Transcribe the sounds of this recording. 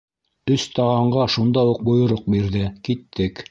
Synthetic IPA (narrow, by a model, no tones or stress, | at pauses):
ɵst̪ɑʁɑɴɢɑʃund̪ɑwuq̚bŏjŏɾoq̚biɾðɘkit̪ʰːɘk